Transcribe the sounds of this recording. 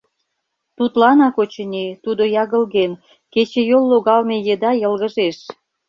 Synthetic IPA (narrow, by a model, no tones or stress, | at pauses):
t̪ut̪lɑnɑkot͡ɕə̆nʲit̪ud̪ojɑɣə̆lɣen | ket͡ɕĕjolːoɣɑlmejed̪ɑjə̆lɣə̆ʒeʃ